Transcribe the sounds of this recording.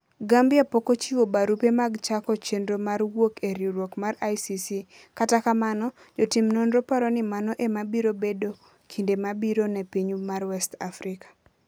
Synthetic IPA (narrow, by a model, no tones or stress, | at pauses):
ɡambɪapokot͡ʃiwobaɾupemaɡt͡ʃakɔt͡ʃendɾomaɾwokeɾiɾwokmarajsisi | katakamanɔ | d͡ʒotimnɔnɾopaɾɔnɪmanɔʔemabiɾobedo | kʰindemabiɾonɛpiɲumarwɛstafɾɪkḁ